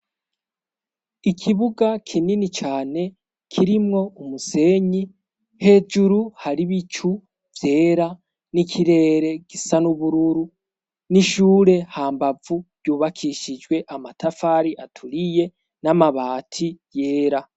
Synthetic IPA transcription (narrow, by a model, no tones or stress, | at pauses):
ikʰiβuɡakʰininit͡ʃaːne̞ | kʰiɾimŋo̞umuse̞ːɲi | he̞ːd͡ʒuɾuhaɾiβit͡ʃu | vje̞ːɾa | nikʰiɾe̞ːɾe̞ɡ̥isanuβuɾuɾu | niʃuːɾe̞haːmbavuɾɟuːβakʰiʃid͡ʒɡwe̞ʔamatʰafaɾiʔatʰuɾije̞ | namaβaːtʰije̞ːɾa